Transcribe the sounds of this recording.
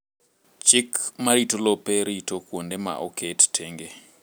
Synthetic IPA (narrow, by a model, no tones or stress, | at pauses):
t͡ʃɪkmaɾitolopeɾitokwondema̰ʔokʰettʰeŋɡe